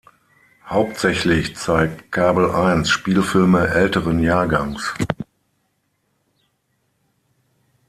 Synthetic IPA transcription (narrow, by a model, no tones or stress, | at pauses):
haʊp̚tz̥ɛçlɪçt͡saɪk̚tkʰaːbl̩ʔaɪnsʃpiːlfɪlməʔɛltəʁənjaːɐɡaŋs